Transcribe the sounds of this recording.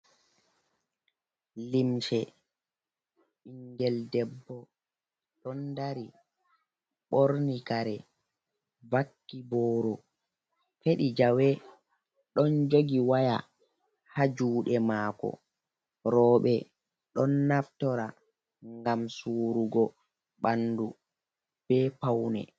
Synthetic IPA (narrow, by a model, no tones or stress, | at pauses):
limt͡ʃɛ | iŋɡɛldɛbːɔ | ɗɔndaɾi | ɓoɾnikaɾɛ | vakːibɔːɾɔ | feɗid͡ʒawɛ | ɗɔnd͡ʒoɡiwaja̰ | had͡ʒuːɗɛmaːkɔ̰ | ɾɔːɓɛ | ɗɔnːaftɔɾa | ŋɡamsuːɾuɡɔ | ɓandu | b̥ɛpawnɛ̰